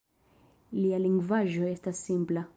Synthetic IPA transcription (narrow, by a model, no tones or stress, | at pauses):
lialiŋɡvaʒo̞est̪asːimpla